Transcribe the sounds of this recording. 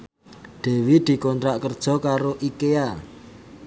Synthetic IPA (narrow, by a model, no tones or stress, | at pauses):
d̪̥e̤wid̪̥i̤kɔnt̪ɾaʔkərd̥ʒ̥ɔ̤kaɾoʔikea